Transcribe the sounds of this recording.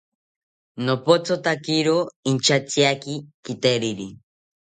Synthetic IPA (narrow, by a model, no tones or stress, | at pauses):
nopot͡sot̪akiɾoint͡ʃat͡siakikit̪eɾiɾi